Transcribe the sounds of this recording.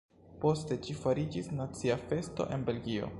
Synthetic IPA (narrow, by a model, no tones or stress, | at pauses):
po̞ste̞t͡ʃifaɾid͡ʒisnat͡siafe̞sto̞̰ʔe̞nbe̞lɡio̞̰